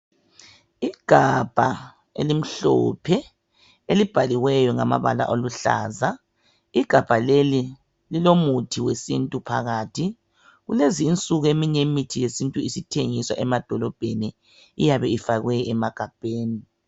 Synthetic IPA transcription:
iɡ̥ʱab̥ʱa | ḛlim̩ɬɔ̰pʰɛ | elib̥ʱaliɣwɛjɔŋama̰βa̰la̰ʔoluɬa̰ːza | iɡ̥ʱab̥ʱaleli | lilomutʰiwesḭntʼupʰa̰ɣaːtʰi | ɣuleziːnt͡sʼuɣuemiɲemitʰijesintʼuisitʰeŋiswa̰ʔɛmad̥ʱɔlɔb̥ʱeniː | jaβɛifaɣwɛɛmaɡ̥ʱab̥ʱeːni

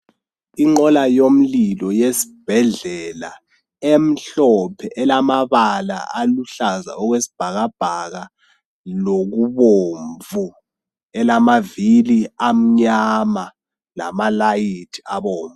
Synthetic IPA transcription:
iŋ͡ǃɔlajom̩lilɔjesi̥b̥ʱɛɮɛla | em̩ɬɔpʰɛʔɛlamaɓala̰ʔaluɬaza̰ɔk̬wesi̥b̥ʱak̬ab̥ʱak̬a | lok̬uɓoɱvu | ɛlamaviliam̩ɲama | la̰malajitʰi̥aɓɔːɱvu

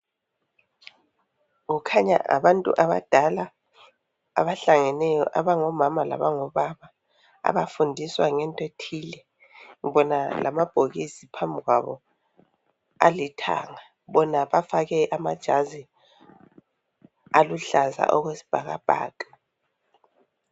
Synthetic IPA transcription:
ŋukʰaɲa̰a̰βantʼṵʔaβa̰d̥ʱala | a̰βaɬaŋɛnɛjɔ̰ʔaβaŋɔmamala̰βaŋɔβaβa | a̰βafundʱiswaŋɛntʼetʰiːlɛ | ŋiβɔnalʔa̰mab̥ʱoɣisipʰambʱiɣwaβɔ | alitʰa̰ŋa | βɔnaβafaɣɛʔamad̥ʒ̥ʱazi | aluɬaza̰ʔɔɣwesi̥b̥ʱaɣab̥ʱa̰ːtʼu

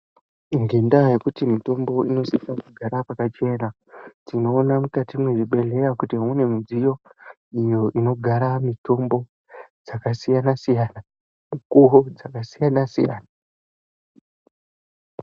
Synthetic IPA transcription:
iŋɡe̞ndajekutimito̞mbo̞ino̞sikakuɡʱaɾapakat͡ʃe̞na | tino̞ːnamukatimweʐiɓe̞le̞jakutiune̞mud͡zijo̞ | ijo̞ʔino̞ɡʱaɾamito̞mbo̞ | d͡zakasijanasijana | mukuɦod͡zakasijanasḭja̰ːna

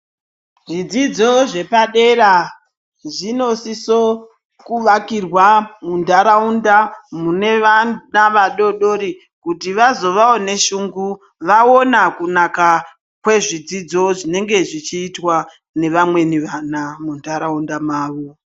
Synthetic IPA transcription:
ʐid͡zid͡zo̞ʐe̞paɗe̞ɾa | ʐino̞siso | kuʋakirwamundaɾaundamune̞anaʋaɗo̞ɗo̞ɾi | kutiʋazo̞ʋao̞ne̞ʃuːŋɡu | ʋao̞nakunaka | kwe̞ʐid͡zid͡zo̞ʐine̞ŋɡe̞ʐit͡ʃiːtwa | ne̞ʋamwe̞niʋanamundaɾaundamaːʋo

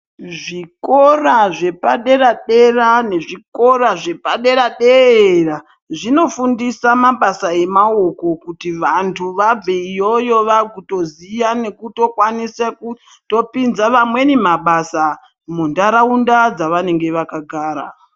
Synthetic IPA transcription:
ʐiko̞raʐe̞paɗe̞ɾaɗerane̞ʐiko̞ɾaʐe̞paɗe̞ɾaɗeera | ʐino̞fundisamaɓasae̞maoko̞kutiʋantʰuʋab͡veijojo̞ʋakuto̞zijane̞kuto̞kwanisaku | to̞pinzaʋamwe̞nemaɓasa | mundaɾaundad͡zaʋane̞ŋɡe̞ʋakaɡʱaːɾa̰

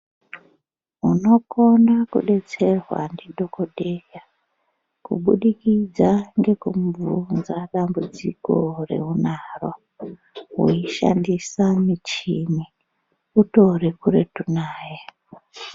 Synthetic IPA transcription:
uno̞ko̞nakuɗe̞t͡se̞rwa̰ndidʱo̞kodʱeja | kṵɓuɗikid͡zaŋɡe̞kumvunzaɗambud͡zḭko̞re̞̰unarwa | ɦuiʃa̰ndisamit͡ʃimi | uto̞rikuretunaːje

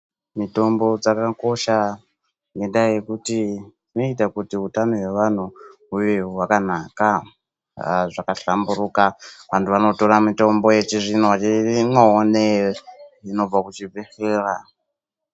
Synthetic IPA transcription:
mito̞mbo̞d͡zakako̞ʃa | ŋɡe̞ndajekuti | ino̞itakutiɦutanoje̞ʋan̤uɦujewakan̤aka | ʐakaɬambuɾukaʋantuʋano̞to̞ɾamito̞mbo̞jet͡ʃiʐinowat͡ʃiŋaone | ino̞b͡vakut͡ʃivexeːra

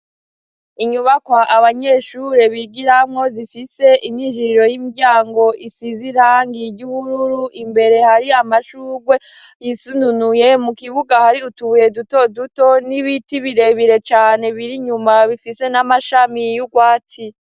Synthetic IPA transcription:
iɲuβakwaʔaβaɲe̞ʃuɾeβiɡiɾamŋo̞zifise̞ʔimɲiʒiɾiɾo̞jimiɟaːŋɡo̞ʔisiziɾaːŋɡiɟuβuɾuɾuʔimbe̞ɾe̞haɾiamaʃuːɡwe̞ | jisununuje̞mukiβuɡahaɾiutuje̞duto̞duto̞niβitiβiɾe̞βiɾe̞t͡ʃaːne̞βiɾiɲumaβifise̞namaʃamijuɡwaːt͡si

